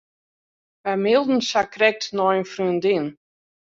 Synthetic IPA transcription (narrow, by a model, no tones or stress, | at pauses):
ʋɛmɪlˠdn̩sakrɛk̚tnɔjənfryəndin